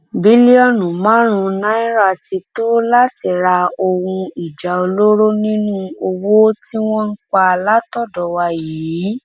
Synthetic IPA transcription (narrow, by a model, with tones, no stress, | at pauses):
bi˨˦li˦ɔ˦˨nũ˨mãː˨˦ɾ̃ũ˧nã˦ĩ˦ɾa˦˨ti˧to˦la˦ti˦˨ɾa˧o˧wũ˧i˨d͡ʒa˨o˧lo˦ɾo˦nĩ˦nũ˦o˧wo˦ti˦w̃ɔ̃˦n̩˦k͡pa˧la˦tɔ˦˨dɔ˨wa˧jiː˨˦